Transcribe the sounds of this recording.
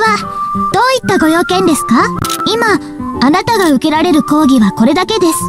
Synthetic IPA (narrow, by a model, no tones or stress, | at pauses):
ad̪̥o̞ːit̪ːaɡo̞jo̞ːkẽ̞nd̪e̞sɨ̥kaimaː | nat̪aɡaɯ̟ke̞ɾaɾe̞ɾɯ̟ko̞ːɡʲiβako̞ɾe̞d̪ake̞d̪e̞sɨ̥